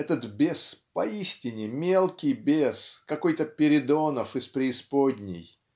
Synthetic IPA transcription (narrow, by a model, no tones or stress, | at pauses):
ɛt̪ət̪bʲespɐisʲtʲɪnʲɪmʲelˠkʲɪjbʲeskɐkojt̪əpʲɪɾʲɪd̪onəfɨspɾʲɪɪspod̪ʲnʲɪ̰j